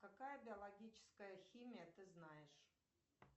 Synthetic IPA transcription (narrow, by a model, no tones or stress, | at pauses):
kakajəbʲɪɐlˠɐɡʲit͡ɕɪ̥skəjəxʲimʲijət̪ɨznajɪʂ